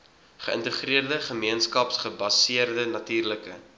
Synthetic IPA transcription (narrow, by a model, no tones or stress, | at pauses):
χəə̰ntəχriərdəχəmiənskɐpsχəbɐsiərdənɐtiːrləkə